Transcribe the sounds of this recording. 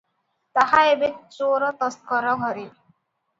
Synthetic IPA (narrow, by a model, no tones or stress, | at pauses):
t̪ahaebet͡ʃoɾɔt̪ɔst̪̚kɔɾɔɡʱɔɾi